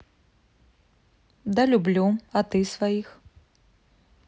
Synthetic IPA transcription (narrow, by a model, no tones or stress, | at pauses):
d̪ɐlʲublʲuat̪ɨsvajix